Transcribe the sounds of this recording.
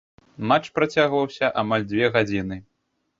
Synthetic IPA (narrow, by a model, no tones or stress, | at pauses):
mat͡ʂpɾat͡sʲaɣvɐwsʲɐʔamalʲd͡zʲvʲɛɣad͡zʲinɨ